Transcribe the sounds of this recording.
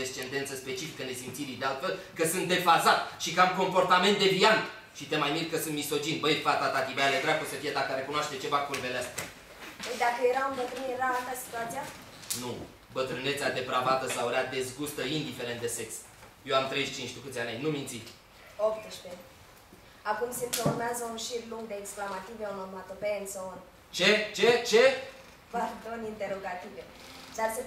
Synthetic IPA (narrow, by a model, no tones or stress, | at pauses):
est͡ʃe̞nd̪e̞nt̪səspe̞t͡ʃifikəne̞simt̪siɾid̪ealt̪fe̞lkəsɨnt̪̚d̪e̞fazat̪ʃikamko̞mpo̞rt̪ame̞nt̪̚d̪e̞biant̪ | ʃit̪e̞majmilkkːəsɨnt̪miso̞d͡ʒinbəjpat̪at̪at̪ibəjaled̪ɾeakosəfijed̪akəɾe̞kunoaʃt̪et͡ʃe̞vakurveleast̪a | əjd̪akəjeɾaɨmbət̪ɾɨnjeɾaːt̪asi̥t̪uat̪sija | nu | bət̪ɾɨnet̪sead̪e̞pɾavat̪əsawɾead̪e̞zɡust̪əind̪ife̞ɾent̪̚d̪e̞seks | jewamt̪ɾejʃt͡ʃint͡ʃt̪ukɨt̪sʲanʲajnumint̪sit̪ | opt̪ɨʃpe | akumsimkəurmeazəunʃiɾluŋɡd̪e̞ːksklamat̪iveunomat̪opensəon | t͡ʃet͡ʃet͡ʃe | vad̪onint̪e̞ɾo̞ɡat̪ivet͡ʃarse